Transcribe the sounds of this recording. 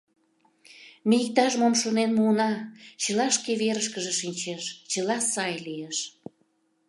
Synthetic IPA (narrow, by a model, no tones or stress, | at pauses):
miik̚t̪ɑʃmomʃonenmuənɑt͡ɕəlɑʃkeβeɾəʃkəʒeʃinʲt͡ɕeʃt͡ɕəlɑsɑjlijeʃ